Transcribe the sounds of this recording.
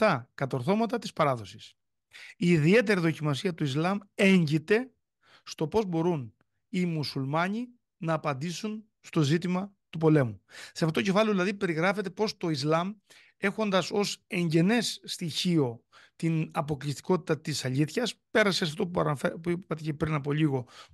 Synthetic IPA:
t̪ɐkɐt̪o̞ɾθo̞mɐt̪ɐt̪ispɐɾɐðo̞si̥s | iːðie̞t̪̬e̞ɾiðo̞cimɐsiɐt̪uizlɐme̞ɲɟit̪e̞ | st̪o̞po̞zbo̞ɾun | imusulmɐɲi | nɐːpɐnd̪isun | st̪o̞zit̪imɐt̪upo̞le̞museɐfot̪oce̞fɐleðilɐðipe̞ɾiɣɾɐfe̞t̪e̞po̞st̪o̞izlɐm | e̞xo̞nd̪ɐso̞se̞ɲɟe̞ne̞sːt̪içio̞ | t̪inɐpo̞klist̪i̥ko̞t̪i̥t̪ɐt̪isɐʎiθçɐspe̞ɾɐseɐft̪opuipɐt̪ecepɾinɐpo̞ʎiɣo̞

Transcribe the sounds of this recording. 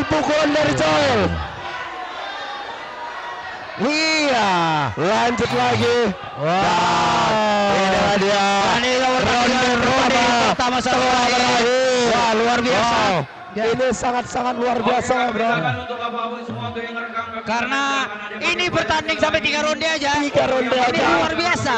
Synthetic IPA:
pukulandaɾit͡ʃoɪl | ialaɲd͡ʒʊt̪̚laɡi | waa | idadiaaniawəraa | pət̪amasaalaaaiwaluarbiasa | jainisaŋat̪̚saŋat̪̚luarbiasajabəɾaɾa | karəna | inibərt̪andɪŋsampɛkikaɾondiad͡ʒaikaɾondianialuarbiasa

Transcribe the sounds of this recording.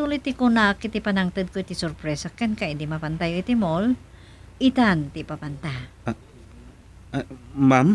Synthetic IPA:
ulit̪ːikunakit̪ipanaŋt̪ɨd̪̚koit̪isʊɾpɾɛsakɛnkaid̪imapant̪ajoit̪imol | ʔit̪ant̪ipapant̪a | mam

